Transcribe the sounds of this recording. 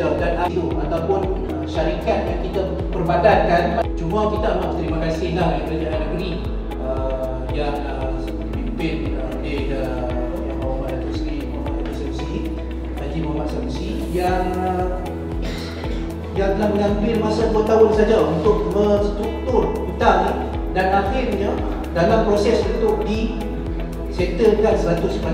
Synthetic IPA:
adanauat̪awpʊn | ʃaɾikat̪̚jankit̪a | pərbadan̚kant͡ʃumakit̪anaʔt̪ɾimakasɪhlahikɾəd͡ʒananːəɡɾi | ə | jaŋ | səəpimpɪn | əde | ə | jaŋmawmaat̪uskimama̰ʔasɛmsi | nad͡ʒimamaʔsamsi | jaŋ | jaŋt̪əlahməŋampɪlmasaduət̪aɦʊnsad͡ʒaunt̪ʊk̚məŋst̪ɾuk̚t̪ʊrbit̪ani | danahɪrɲə | dalampɾosɛsbət̪ʊʔdi | sɛt̪əkansəɾat̪ʊsma

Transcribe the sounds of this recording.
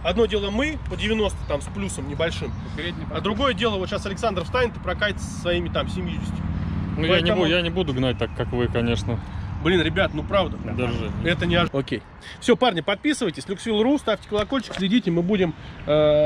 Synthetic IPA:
ɐd̪no̞dʲe̞lˠəmɨpədʲɪvʲɪno̞st̪ʊ̥t̪amsplʲusəmnʲɪbɐlʲʂɨm | sʲɾʲedʲnʲɪmad̪ɾʊɡo̞jədʲe̞lˠəvo̞t̪ɕasɐlʲɪksand̪ɾəfst̪anʲɪnt̪ə̥pɾɐkajɪt̪sə̥ssvɐimʲɪt̪amsʲɪmʲjudʲɪsʲtʲɪnujanʲɪbujanʲɪbud̪ʊɡnat̚ʲt̪akːakvɨkɐnʲe̞ʂnəblʲinɾʲɪbʲat̪nupɾavd̪əd̪ʲɪʐɨɛt̪ənʲɪɐokʲej | fsʲo̞parnʲəpɐt̪̚pʲisɨvəjtʲɪsʲlʲʊksvʲilˠʊɾust̪aftʲɪ̥kəlˠɐkolʲt͡ɕɪ̥ksʲlʲɪdʲitʲɪmɨbudʲɪmː

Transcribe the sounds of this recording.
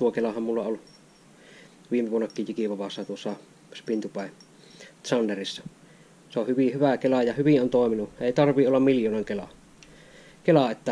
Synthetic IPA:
t̪uokelɑhɑmmulːɑol | ʋiːmːˑeʋuonːɑkːiːjjikiʋɑʋɑsːɑt̪uosːɑ | spint̪upæˑe | t̪sɑnːerisːɑ | seohyʋihyʋækelɑjɑhyʋiʔʔont̪oˑeminueˑit̪ɑrʋˑiʔolːɑmmiljoːneŋkelɑ̰ | kelɑet̪ːæ

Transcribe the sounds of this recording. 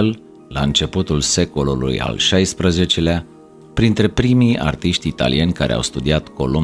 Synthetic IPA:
l | la̰ɨnt͡ʃe̞put̪ulse̞ko̞lulṵja̰lʃajspɾəze̞t͡ʃe̞lea | pɾint̪ɾe̞pɾimija̰rt̪iʃt̪ʲit̪a̰lḭje̞nʲkaɾʔḛa̰wst̪ud̪iat̪ko̞̰lo

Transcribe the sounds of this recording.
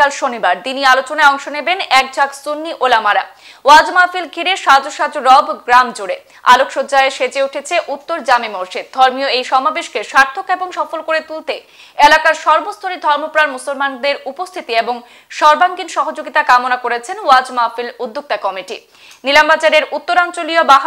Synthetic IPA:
alʃonibaɾt̪inialot͡ɕonaeɔŋʃonebenɛk̚d͡ʑʱaksunːiʔolamaɾa | wad͡ʑmafilɡʱiɾeʃad͡ʑoʃad͡ʑoɾɔbʱɡɾamd͡ʑuɾe | a̰lokʃod͡ʑaeʃed͡ʑeuʈʰet͡ɕʰeʔut̪ːoɾd͡ʑamimoɾʃid̪̚d̪ʱɔɾmioejʃɔmabeʃkeʃaɾt̪ʰːokeboŋʃɔfolkoɾet̪ult̪e | elakaɾʃɔɾbost̪ʰoɾid̪ʱɔɾmopɾaɾmusolmand̪eɾupost̪ʰit̪ieboŋ | ʃɔɾbaŋɡinʃɔɦod͡ʑoɡit̪akamonakoɾet͡ɕʰenwad͡ʑmafilud̪ːok̚t̪akɔmiʈḭ | nilambad͡ʑaɾeɾut̪ːoɾant͡ɕolijobaɦ

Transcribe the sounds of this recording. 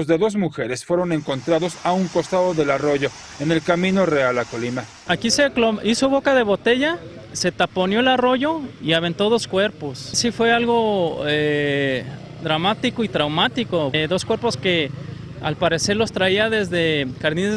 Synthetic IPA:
zðe̞ðo̞zmuxe̞ɾe̞sfwe̞ɾo̞ne̞ŋko̞nt̪ɾaðo̞sauŋko̞st̪aðo̞ðe̞laro̞ʝo̞ | ene̞lkamĩno̞realakolima | akise̞kloisoβo̞kaðe̞βo̞t̪e̞ʝa | se̞t̪apo̞njo̞elaro̞ʝo̞iaβe̞nt̪o̞ðo̞skwe̞ɾpo̞ssifwe̞alɣo̞e | d̪ɾamat̪iko̞it̪ɾawmat̪iko̞ðo̞skwe̞ɾpo̞ske̞ | a̰lpaɾe̞se̞ɾlo̞st̪ɾaiaðe̞zðe̞kaɾni

